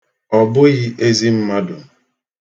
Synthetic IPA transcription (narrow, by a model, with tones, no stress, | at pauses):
ɔ˨bʊ˦ɣɪ˦ʔe˦zi˦m̩˦ma˦dʊ˨